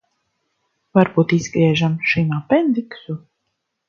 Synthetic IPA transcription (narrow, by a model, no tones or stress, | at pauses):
vaɾbuːt̪izɡɾiɛʒamʃimapɛnd̪iksu